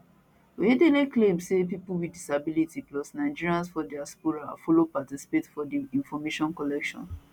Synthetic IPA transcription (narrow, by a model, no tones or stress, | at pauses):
wedeleklẽmsep̬ipuwidisabilitiplɔsnaɪd͡ʒiɹiãnsfɔdɛaspuɹa̰fɔlopatisi̥petfɔdiĩnfɔmeʃɔ̃nkɔlɛkʃɔ̰̃n